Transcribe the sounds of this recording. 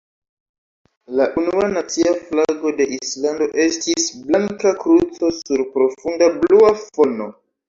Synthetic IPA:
laʔunuanat͡siaflaɡo̞de̞ʔislando̞ʔe̞stisblaŋkakɾut͡so̞suɾpɾo̞fundabluafo̞no̞

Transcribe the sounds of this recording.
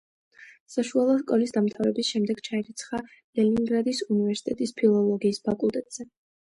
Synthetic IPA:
saʃualˠɔskʼɔlisd̪amt̪ʰavɾɛbisʃɛmd̪ɛɡ̥t͡ʃʰaɛɾit̪sʰχa | lɛniŋɡɾad̪isunivɛɾsi̥t̪ʼɛt̪ʼispʰilˠɔlˠɔɡiːspʰakʼulˠt̪ʼɛt̪ʼz̥ɛ

